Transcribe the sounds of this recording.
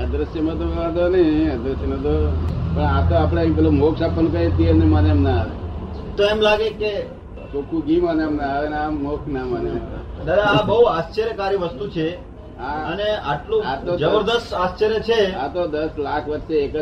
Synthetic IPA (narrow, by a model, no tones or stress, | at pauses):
əd̪ɾəsjəmə̃t̪okəãd̪onəiəd̪ɾəsjənə̃t̪opəɳãt̪oapɽ̃emip̬elomoksapːənkəɾit̪ieneməneemnaaʋe | t̪oemlaɡeke | kokũɡiməneəmnaaʋenamːokʰnamənemd̪əɾaabəɦuast͡ʃəɾjəkaɾiʋəst̪ut͡ʃʰe | aəneaʈlũat̪od͡ʒəbəɾd̪əst̪ast͡ʃəɾjət͡ʃʰeat̪od̪əslakʰʋət̪ːʃeːkə